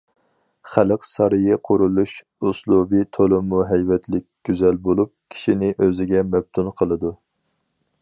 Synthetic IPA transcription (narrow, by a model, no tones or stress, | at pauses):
χæləqsɑɾɨjɪqʰʊɾulˠuʃ | uslˠubit̪ʰolˠɨmːuɦɛjvɛt̪ʰlɪkʲɡ̥ʲyzɛlbolˠup̚kʲʰi̥ʃinɪʔøzɪɡʲɛmɛb̚t̪ʰunqʰəlˠɨd̪u